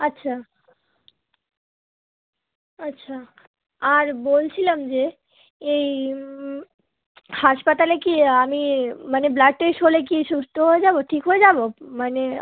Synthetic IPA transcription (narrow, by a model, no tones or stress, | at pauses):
atːɕʰa | atːɕʰa | aɾbolt͡ɕʰilamd͡ʑe | ej | haʃpat̪alekiamimaneblak̚ʈeʃɦolek̬iʃust̪ʰoɦoed͡ʑaboʈʰikɦoed͡ʑabomane